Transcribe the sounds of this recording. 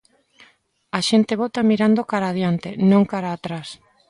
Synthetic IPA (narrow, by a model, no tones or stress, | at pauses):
aʃent̪eβot̪amiɾand̪okaɾaːðjant̪enõŋkaɾaːt̪ɾas